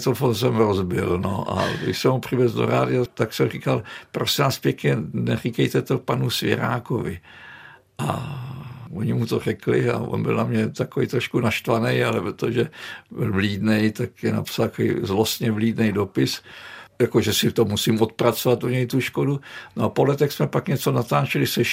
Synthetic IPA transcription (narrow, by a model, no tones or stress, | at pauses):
t̪ɛnfons̬ɛmɾozbɪlno̰ʔa̰ɡdɪ̰ʃsɛmupr̝ɪvɛzdo̰ɾa̰ːdɪat̪aksɛmrikalpɾosɪnaːspjɛkɲɛnɛrikɛjt̪ɛt̪opanusvjɛ̰ɾa̰ːko̰vɪ | ʔa̰ | oɲɪmut̪o̞rɛklɪa̰ʔo̰nbɪ̰lnamɲɛt̪akovḭjt̪ɾoʃkunaʃt̪vanɛjalɛpɾot̪oʒɛbɪlvliːdnɛjt̪akjɛna̰psalt̪akoḭzlost̪ɲɛvliːdnɛjdopɪsjakoʒɛsɪft̪omːusimot̪̚pɾat͡sovat̪ʔuɲɛjt̪uʃkodunoapolɛt̪ɛxsmɛpakɲɛt͡so̞nat̪aːt͡ʃɛlɪsɛʃ